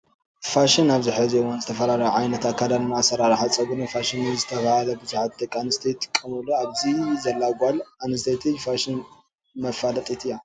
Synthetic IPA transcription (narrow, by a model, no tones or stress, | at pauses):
faʃinaβziħaziwanzɨt̪ʰɐfɐɾaɾɐʕajnɐt̪ʰat̪̚kʰad̪alnasɐɾaɾħat͡sʼɐɡunɐfaʃinizɨt̪ʰɐβahalɐbɨzuħat̪̚d̪ɐkʼanɨst̪ʰejt̪ʰːɨ̥kʼːɐmɨlːuaβzizɐlːaɡʷalanɨst̪ʰet̪ʰifaʃin | mɐfalɐt̪ʼit̪ɨja